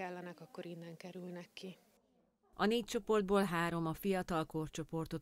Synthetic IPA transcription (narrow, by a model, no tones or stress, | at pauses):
ɛlːɛnɛkɒkːo̞ɾinːɛŋkɛɾylnɛkːi | ɒneːc̚t͡ʃo̞po̞rd̪̚boːlɦaːɾo̞mɒfijɒt̪ɒlkort͡ʃo̞po̞rt̪o̞